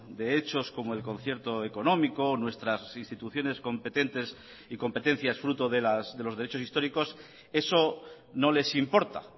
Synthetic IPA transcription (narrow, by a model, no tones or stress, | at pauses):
d̪e̞et͡ʃo̞sko̞moe̞lko̞nθje̞ɾt̪o̞e̞ko̞nõ̞miko̞nwe̞st̪ɾasinst̪it̪uθjo̞ne̞sko̞mpe̞t̪e̞nt̪e̞s | iko̞mpe̞t̪ẽ̞n̟θjasfɾut̪o̞ðelasðe̞loðe̞ɾet͡ʃo̞sist̪o̞ɾiko̞s | e̞so̞ | no̞le̞simpo̞ɾt̪a̰